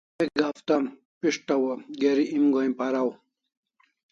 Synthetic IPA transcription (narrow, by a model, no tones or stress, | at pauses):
ek̚ɡaːft̪a | piʂʈɐwɐɡeɾiʔimɡoj̃paɾaw